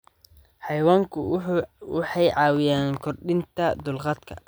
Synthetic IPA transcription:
ħɑjwaːŋkʰʊwɑħɑjʕɑːwɪjaːŋkʰɔrɗɪnt̪ʰɐd̪ʊlqɑd̪kʰɐ̰

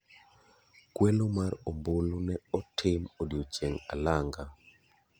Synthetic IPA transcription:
kwɛlomarombolonɛɔtʰɪmodjot͡ʃeŋa̰laŋɡa

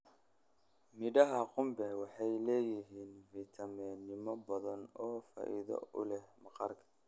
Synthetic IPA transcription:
mɪɖɐɦɐqʊmbɛwɑħɑjlɛːjɪɦiːnvit̪ʰɐmɛnɪmɔbɐðɐnɔːfa̰ːʔḭðɐ̰ʊ̰lɛhmɑqɑrkʰɐ̥

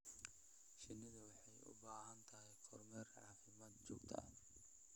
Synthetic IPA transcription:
ʃɪnːɪðɐwɑħɑjʊ̰baːɦɐnt̪ʰɐɦɛjkʰɔrmɛrʕɑːfɪmaːd̪̚t͡ʃɔ̰ːɡt̪ʰɐ̰

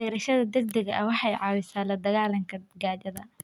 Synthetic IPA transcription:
ɛːɾɐʃɐðɐd̪ɛɡ̚d̪ɛɣɐʔɐwɑħɑjʕɑːwɪsaːlɐd̪ɐɣaːlɐŋkʰɐɡaːt͡ʃɐðɐ

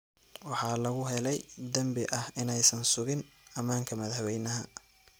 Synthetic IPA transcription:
wɑħɑːlɐɣʊɦɛlɛjd̪ɐmbɪʔɐhɪnɛjsɐnsʊɣɪnɐmaːŋkʰɐmɐðhɐβɛjnɐɦɐ

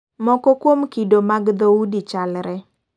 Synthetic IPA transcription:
mɔkɔkwomkidomaɡd̪oudit͡ʃalɾɛ

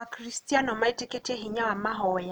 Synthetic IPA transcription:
akɾistianɔmaitiketʰeɦiɲamaɦɔj

